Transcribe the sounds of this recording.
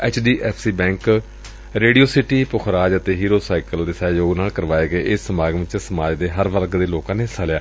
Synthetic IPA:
ɛːt͡ʃʰɖiːʔɛːpʰsiːbɛ̃ːŋk | ɾeːɖioːsɪʈiːpʊxʰɾaːd͡ʒət̪eːɦiːɾoːsaːɪkəld̪eːsɛːjoːɡnaːlkəɾʋaːeːɡəeːʔɪsːəmaːɡʋɪt͡ʃsəmaːd͡ʒd̪eːɦəɾʋəɾkd̪eːloːkãːneːsaːljaː

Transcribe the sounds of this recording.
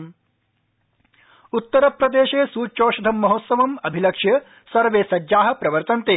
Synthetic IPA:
ut̪ːɐɾɐpɾɐd̪eːʃeːsuːt͡ʃoːʃɐd̪ʱɐmːɐɦot̪sɐʋɐmɐbʱilɐkʂjɐ | sɐɾʋeːsɐd͡ʒaːɦɐ̆pɾɐʋɐɾt̪ɐnt̪eː

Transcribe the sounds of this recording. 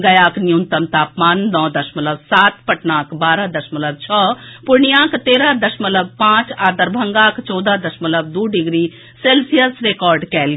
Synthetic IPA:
ɡɐjaːknijunt̪əmt̪aːpmaːnnɔ̃ːd̪əʃmələbsaːt̪pəʈnãːkbaːɾad̪əʃmələb̚t͡ʃʰɔpuɾɳijãkt̪eːɾad̪əʃmələb̚pãːt͡ʃaːd̪əɾbʱəŋɡakt͡ʃɔːd̪ad̪əʃmələb̚d̪uɖiɡɾi | selsijəsɾekɔːɾɖkɛːl

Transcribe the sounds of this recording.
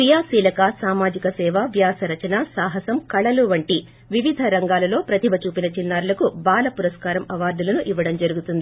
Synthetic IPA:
kɾijaːsiːlɐkɐsaːmaːd͡ʒikɐsɛːʋaʋjaːsɐɾɐt͡ʃɐnaːsaːɦɐsɐmkɐɭɐluʋɐɳʈi | ʋiʋid̪ʱɐɾɐŋɡaːlɐlo̞ːpɾɐt̪iʋɐt͡ʃuːpinɐt͡ʃinːaːɾulɐkubaːlɐpuɾɐskaːɾɐmɐʋaːɾd̪ulɐnuʔiʋːɐɽɐmd͡ʒɐɾuɡut̪und̪ii

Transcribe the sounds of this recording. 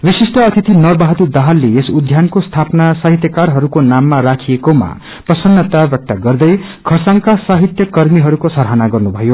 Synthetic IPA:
wisisʈʌʌt̪ʰit̪inʌrbaɦʌt̪ud̪aɦalːeesud̪ʱjankost̪ʰapnasaɦit̪jʌkarɦʌɾukonamːaɾakʰijekoma̰ | prʌsʌnːʌt̪abak̚ʈ̪aɡʌrd̪ʌj | kʰʌsaŋkasaɦit̪jʌkʌrmiɦʌɾukosʌɾɦanaɡʌrnubʱʌjo

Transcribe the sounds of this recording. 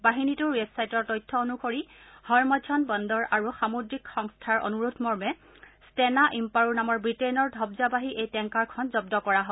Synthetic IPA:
baɦinitʊɹwɛbsajtɔɹtɔjtʰːɔonukoɹi | hɔɹmɔd͡ʒʰɔnbɔndɔɹʔaɹuxamodɹikxɔŋstʰaɹo̰nuɹutʰmɔɹmɛ | stɛnaʔimpaɹuɹnamɔɹbɹitejnɔɹdʱɔbzabaɦiʔejtɛŋkaɹkʰɔnzɔb̚dɔkɔɹaɦɔ

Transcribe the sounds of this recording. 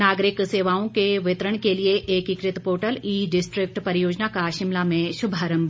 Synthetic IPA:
naːɡɾɪkseːʋaːõkeʋɪt̪ɾəɽ̃kelieʔeːkɪkɾɪt̪poːʈəliːɖɪsʈɾɪk̚ʈpɐɾjoːd͡ʒnakaʃɪmlamẽʃʊbʱaːɾə̃mb

